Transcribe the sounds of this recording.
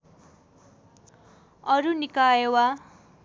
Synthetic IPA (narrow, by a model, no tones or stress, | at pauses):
ʌɾunikajewa